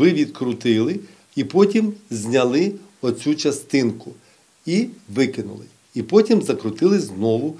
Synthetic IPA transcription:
ʋɪʋʲid̪kɾʊt̪ɪlˠɪ | ipɔtʲimzʲnʲɐlˠɪ | ɔt͡sʲut͡ʃɐst̪ɪnkʊ | iʋɪkɪnʊ̰lˠɪ | ipɔtʲimzɐkɾʊt̪ɪlˠɪznɔʋʊ

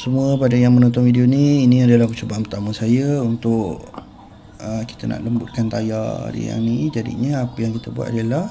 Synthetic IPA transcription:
səmuəpadajaŋmənɔ̃nt̪ɔnfidioniːnĩadalahkət͡ʃobaʔanpərt̪aməsajaunt̪ʊʔ | əki̥t̪ənʔa̰ʔləmbut̪̚kant̪aja̰dḭja̰ŋnid͡ʒadḭɲəapəjaŋkit̪əbwa̰ʔ̪adalah

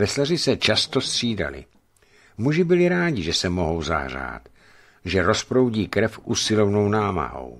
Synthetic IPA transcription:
vɛslarɪsɛt͡ʃast̪ost̪r̝̥iːda̰lɪ̰ | muʒɪbɪlɪɾaːɟɪʒɛsɛmo̞ɦo̞wza̰ɦr̝a̰ːt̪ | ʒɛɾospɾo̞wɟiːkɾɛfʔusɪlo̞vnownaːma̰ɦo̞̰w

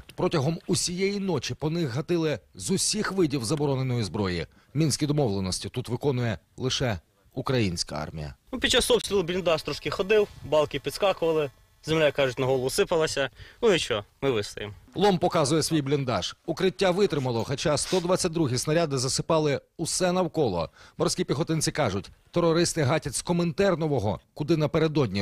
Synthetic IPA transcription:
pɾɔtʲɐɦɔmusʲijɛjinɔt͡ʃipɔnɪxɦɐt̪ɪlˠɪzʊsʲixʋɪdʲiwzɐbɔɾɔnenɔjizbɾɔjḭ | mʲinʲsʲkʲid̪ɔmɔwlˠenɔsʲtʲit̪ut̪ʋɪkɔnʊjɛ | lˠɪʃɛ | ukɾɐjinʲsʲkɐ̰ɑ̰rmʲḭjɐ̰nupʲid̚t͡ʃːasɔpsʲt̪ɾʲilˠʊblʲɪnd̪ɑʃt̪ɾɔʃkɪxɔd̪ɪwbɑlˠkʲɪpʲid̪skɑkʊʋɐlˠɪ | zemlʲakɑʒʊt̚ʲnɐɦɔlˠʊsɪpɐlˠɐsʲɐnuɪt͡ʃɔmɪʋɪst̪ɐjemlˠɔmpɔkɑzʊjɛsʲʋʲijblʲind̪ɑʒ̥ʊkɾɪtʲːaʋɪt̪ɾɪmɐlˠɔxɐt͡ʃɑst̪ɔd̪ʋat͡sʲːɐt̚ʲd̪ɾuɦʲisnɐɾʲad̪ɪzɐsɪ̥pɑlˠɪusɛnɐwkɔlˠɔ̰mɔɾsʲkʲipʲixɔt̪ɪnt͡sʲɪkɑʒʊtʲt̪ɔɾɔɾɪst̪ɪɦɑtʲɐsʲkɔment̪ɛrnɔʋɔɦɔ̰kʊd̪ɪnɐpeɾe̞d̪ɔdʲnʲi

